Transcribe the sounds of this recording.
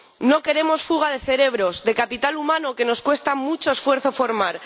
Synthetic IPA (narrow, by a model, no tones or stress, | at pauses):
no̞ke̞ɾe̞mo̞sfuɣ̞að̞e̞θe̞ɾe̞βɾo̞zd̪e̞kapit̪alumãnoke̞no̞skwe̞st̪amut͡ʃo̞esfwe̞ɾθo̞fo̞ɾmaɾ